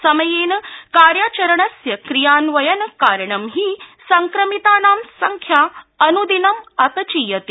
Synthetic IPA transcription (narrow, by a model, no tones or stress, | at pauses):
sɐmɐjeːnkaːɾjaːt͡ʃɐɾɐɳɐsjɐkɾijaːnʋɐjɐnkaːɾɳɐmɦiːsɐŋkɾɐmit̪aːnaːmsɐŋkʰjaɐnud̪inɐmɐpɐt͡ʃijɐt̪i